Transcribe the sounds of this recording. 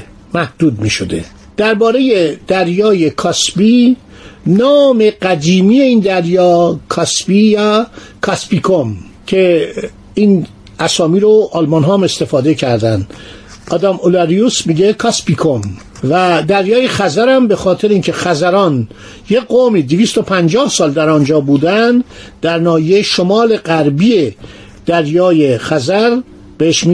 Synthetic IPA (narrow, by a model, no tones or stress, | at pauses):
mæhd̪̥uːd̪miːʃod̪ḛ | d̪̥æɾbɒːɾe̞jed̪̥æɾjɒːjekʰɒːsbi | nɒːme̞ɡæd̪iːmije̞iːnd̪æɾjɒːkʰɒsbijækʰɒspikʰom | cʰe̞ | iːn | æsɒːmiːɾoʔɒːlmɒnɦɒːmest̪e̞fɒːd̪ecʰæɾd̪ænd̪ʔɒːd̪æmolæɾijusmiɟekʰɒspikʰom | væd̪æɾjɒːjexæzæɾæmbexɒːt̪ʰeɾeiːnkcʰe̞xæzæɾɒːn | jeɡomiːd̪eviːst̪o̞pʰænd͡ʒɒːhsɒːld̪æɾɒnd͡ʒɒːbuːd̪ænd̪d̪̥æɾnɒːjejʃo̞mɒːle̞ɡæɾbiːe | d̪̥æɾjɒːje̞xæzæɾ | b̥eheʃm